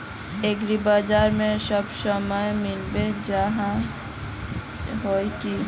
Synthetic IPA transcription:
eɡɾibaːd͡ʒaːɾmẽsəbsəməjmɪlbed͡ʒəɦã | ɦoːki

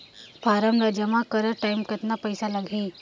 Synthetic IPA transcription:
pʰaːɾəmɾad͡ʒəmakəɾəʈaɪmkɐt̪napəjsalɐɡʱiː

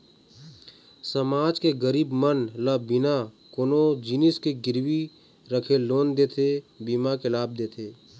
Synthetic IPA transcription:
səmaːd͡ʒkeɡəɾiːbmənlabɪna | koːnod͡ʒinɪskeɡɪɾwi | ɾəkʰeloːnd̪eːt̪ʰebiːmakelaːb̚d̪eːt̪ʰeː

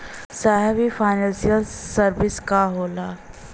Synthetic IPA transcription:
saːɦɛʋifaːɪnɛ̃ːnsiəlsəɾbɪskaɦoːlaː

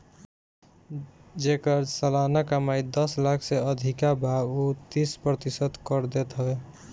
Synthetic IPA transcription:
d͡ʒekəɾsəlanakamajd̪ʌslakʰseəd̪ʱikabʱaut̪ispɾət̪isət̪kəɾd̪et̪ɦəbe

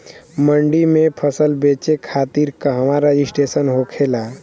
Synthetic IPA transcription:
məɳɖimepʰəsəlbet͡ʃekʰat̪iɾkaɦəmaɾaisʈesənɦokʰela

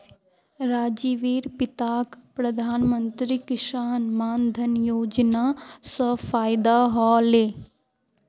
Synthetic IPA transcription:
ɾaːd͡ʒiːʋiːɾpɪt̪aːkpɾɐd̪ʱaːnmənt̪ɾikɪʃaɦnmaːnd̪ʱənjoːd͡ʒnaːsəfaːjd̪aɦɔːleː

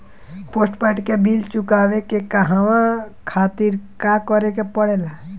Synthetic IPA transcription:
poːsʈpɛʈkebilt͡ʃʊkaːwekekəɦaʋãkʰaːt̪iɾkakɔɾekepəɽela

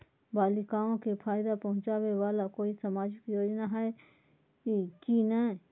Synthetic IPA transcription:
baːlɪkaːõkepʰaːjd̪apɐɦʊ̃t͡ʃaːwewaːlakoːisɐmaːd͡ʒɪkjoːd͡ʒnaɦɛe | ikinə

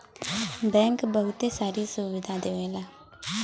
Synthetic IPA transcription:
bɛ̃ːŋkbəɦʊt̪eːsaːɾiːsuʋɪd̪ãːd̪eːʋẽːlaː

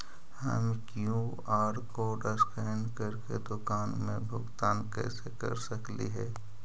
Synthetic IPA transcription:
hə̰mkjũ | aːɾkoɖəskɛːnkəɾkḛd̪ʊkaːnmẽbʱʊɡt̪aːnkɛ̰ːsekɐ̰ɾsəklḭɦɛː

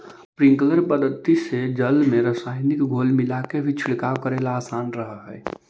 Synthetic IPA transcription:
pɾĩŋkələɾpəd̪ʱət̪ised͡ʒəlmeɾəsajnikɡʱolmilakebʱit͡ʃʰiɽkakəɾelaːsanɾəɦəɦɛː

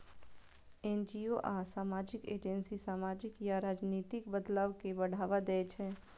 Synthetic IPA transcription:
ɛnd͡ʒioʔaːsaːmaːd͡ʒɪkḛːd͡ʒənsisaːmaːd͡ʒɪkjaɾaːd͡ʒniːt̪ɪkbəd̪laːʋkebɐɽ̤aːʋad̪ɛːt͡ʃʰɛː

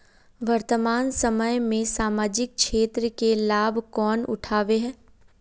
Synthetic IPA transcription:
ʋɐɾt̪əmaːnsəməjmẽsaːmaːd͡ʒɪk̚ʃeːt̪ɾəkelaːbʱkɔːnʊ̰ʈʰaːʋeɦɛ̃ː

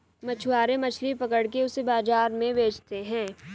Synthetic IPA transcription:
mɐt͡ʃʰʊwaːɾemɐt͡ʃʰlipɐkəɽk̬eʊsebaːd͡ʒaːɾmẽʋeːd͡ʒt̪eɦɛ̃ː

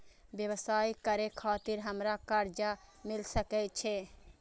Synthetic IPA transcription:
ʋjəwsaːikəɾekʰaːt̪ɪɾɦəmɾakaɾd͡ʒamɪlsəkɛt͡ʃʰe

